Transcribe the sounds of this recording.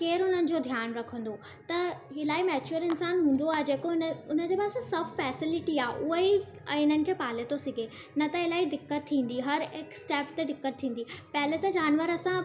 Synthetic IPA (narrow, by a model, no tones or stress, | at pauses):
keːɾʊn̤ənɪ̆d͡ʑoːd̪ʱjaːnɾɐkʰə̃nd̪o | t̪ɐɦɪlaːimɛːt͡ɕuəɾɪnsaːnɦũːn̆d̪oaːɦed͡ʑeːkonʊn̤əd͡ʑeːpaːssɐbfɛːsɪlɪʈiaːɦʔʊɦi | ɪn̤ənɪ̆kʰeːpaːlet̪osɪɡʱe | nɐt̪ɐɪlaːiɖ̪ɪkːət̪̚t̪ʰːĩːn̆d̪iɦɐɾɪksʈɛːpt̪eɖɪkːət̪̚t̪ʰĩːn̆d̪ipɐɦɪlet̪ɐd͡ʑaːnʋəɾɐsã